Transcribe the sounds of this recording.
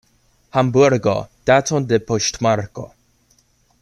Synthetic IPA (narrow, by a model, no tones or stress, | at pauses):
hambuɾɡo̰d̥atɔnd̪ɛpʰɔʃtmaɾko̰